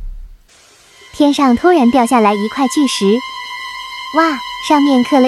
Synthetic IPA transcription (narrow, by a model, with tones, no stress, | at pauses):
t̪ʰjɛ˥nʂɑ˥˩ŋt̪ʰwɔ˥ɻa˧˥npjɑ˥˧ʊɕja˥˩la˧˥ɪi˧˥kʰwa˥˧ɪt͡ɕy˥˩ʂɻ̩˧˥ | wa˥˩ʂɑ˥˧ŋmjɛ˥˧nkʰɤ˥˩lə˧